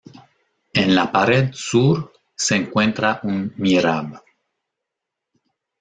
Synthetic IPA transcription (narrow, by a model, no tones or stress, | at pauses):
enlapaɾed̪suɾ | seːŋkwẽnt̪ɾaʔunmiɾaβ